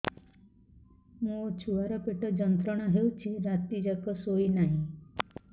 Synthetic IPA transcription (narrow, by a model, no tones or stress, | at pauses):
ɦũot͡ʃʰuʋaɾɔpeʈɔd͡ʒənt̪ɾəɳ̃ɔɦeut͡ʃʰeɾat̪id͡ʒakɔsoinaɦĩ